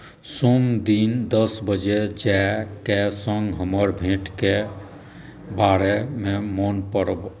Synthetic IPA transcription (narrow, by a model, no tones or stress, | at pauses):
somd̪ind̪əsbəd͡ʒed͡ʒɛkesə̃ŋɡɦəməɾbʱẽʈke | baɾememonpəɾəb